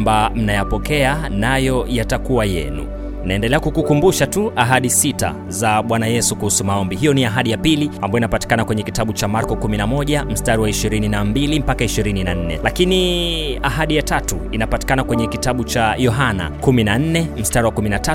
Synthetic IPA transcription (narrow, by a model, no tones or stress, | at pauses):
mbam̩najapɔkɛanajɔjatakuwajɛ̰nṵ | naɛndɛlɛakukukumbuʃatuʔaɦaɗisita̰ | zaɓwanajɛsukuhusumaɔmbiɦijɔniaɦaɗijapilia̰mbajɔinapati̥kanakwɛɲɛkitaɓut͡ʃamaɾkɔkuminamɔʄam̩staɾiwaiʃiɾininambilim̩pakaiʃiɾininan̩nɛ̰lakiniaɦaɗijatatṵinapati̥kanakwɛɲɛkitaɓut͡ʃajɔɦana̰kuminan̩nɛm̩staɾiwakuminata